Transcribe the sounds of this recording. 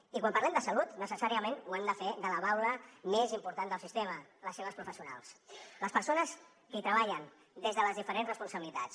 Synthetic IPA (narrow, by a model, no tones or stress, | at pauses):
ikwampaɾlɛmd̪əsəlut̪nəsəsaɾiəmenuamd̪əfeðələβawləmezimpuɾt̪anəlˠsist̪emələsːeβəspɾufəsiuna̰lˠsləspəɾsonəs | kit̪ɾəβaʎən | d̪ezðələzðifəɾenzrəspunsəβilit̪at͡s